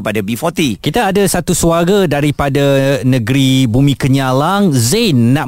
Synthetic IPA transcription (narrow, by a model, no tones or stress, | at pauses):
əpadabifɔt̪ikit̪aːdasat̪usuaɡadaɾipadanə̃ɡɾibumĩkəɲalaŋzenːaʔ